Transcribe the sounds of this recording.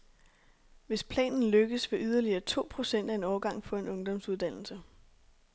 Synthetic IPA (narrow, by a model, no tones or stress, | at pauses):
ʋe̝spʰlɛ̰ːnn̩løɡ̥əsʋe̝ʔyð̞ˠɐliɐːt͡sʰo̝̰ːpʰʁo̝sen̰d̥æe̝nɒʊɐɡ̥ɑ̈ŋ̰fɒ̽e̝nɔ̽ŋd̥ɒ̽msuð̞ˠd̥æn̰l̩sə